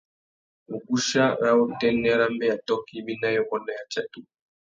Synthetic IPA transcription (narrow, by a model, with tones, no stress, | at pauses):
mu˨ku˦ʃa˦wa˦u˦˨tɛ˦nɛ˦ɾa˦mbɛ˦ja˨tɔ˦ki˦bi˦na˦jɔ˦kɔ˦na˦˨ja˨t͡ʃa˦tu˨